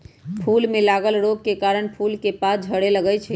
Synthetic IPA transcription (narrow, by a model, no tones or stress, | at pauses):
pʰulmelaɡəlɾoɡ̚kekaɾəɳpʰulkepasd͡ʒʱəɽeləɡɛt͡ʃʰɛ